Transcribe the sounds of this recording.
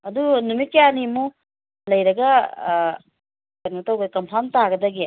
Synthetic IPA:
ɐd̪unumikeanimu | lɐjɾɐɡɐ | kɐnɡɐt̪ɐwɡɐd̪ɐkɐmpʰant̪aɡɐd̪aɡi

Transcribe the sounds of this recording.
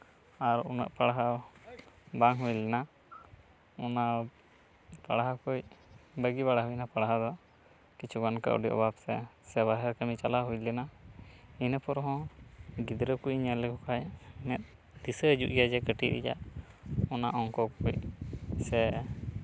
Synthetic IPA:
aɾuna̰ʔpaɽaɦa | baŋɦujlɛna | ɔna | paɽaɦakujbəɡiβaɽaɦujnapaɽaɦad̪ɔ | kit͡ʃʰukanka̰ʔɔ̰ɖiʔɔ̰babsɛsɛbaɦəɾkəmit͡ʃalaɦujlɛna | inəpɔɾɦɔ̃ɡid̪ɾəkujɲalɛkɔkʰajnɛt̪̚ | d̪isəd͡ʒuʔjad͡ʒɛkəʈiʔɾḭd͡ʒa̰ʔɔnaʔɔŋkɔkujsɛ

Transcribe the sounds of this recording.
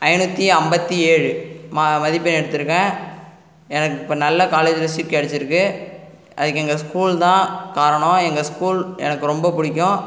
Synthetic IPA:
ɐɪnut̪ːiɐmbɐt̪ːieːɻɯmɐmɐðɪpːɐnɛɽɯt̪ːɯɾɯkːɐ̃ː | ɛnɐkːɪpːɐnɐlːɐkaːleːd͡ʒʋɐsɪɾkːɐɽɯt͡ʃːɪɾɯkːɯ | ʔɐðɯkːɛŋɡɐskuːlt̪ãːkaːɾɐɳʊ̃ɛŋɡɐskuːlɛ̰nɐkːɯɾɔmbɐpʊɽɪkʲːʊ̃

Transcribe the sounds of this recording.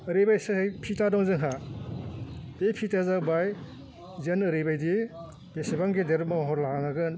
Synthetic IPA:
ɯɾibajsɯhɯjpʰitadɔŋzɯŋɦa | bepʰitazakbaj | zenɯɾibajdi | b̥esibaŋɡedeɾmaɦɔɾlaaŋaɡɯn

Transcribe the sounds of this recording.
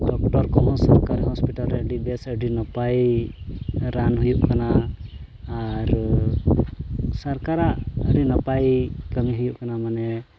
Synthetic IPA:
ɖɔk̚ʈɔɾkɔɦɔ̃saɾkaɾɦɔspiʈalɾɛəɖibɛsəɖinɔpaj | ɾanɦujuʔkanaː | ɾ | saɾkaɾaʔəɾinɔpajkəmiɦujuʔkanamanɛ

